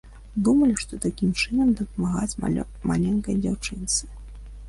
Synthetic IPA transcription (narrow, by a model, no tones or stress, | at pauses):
d̪umɐlʲiʂt̪ɔt̪akʲimt͡ʂɨnɐmd̪ɐpɐmaɣat͡sʲ | ma̰lʲɛnkɐjd͡zʲa̰wt͡ʂɨnt̪sɨ̥